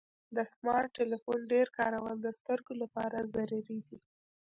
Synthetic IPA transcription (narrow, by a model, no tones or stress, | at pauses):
d̪əsmɑɾʈːelifonɖeɾkɑɾawənd̪əst̪əɾɡolapɑɾazaɾuɾid̪i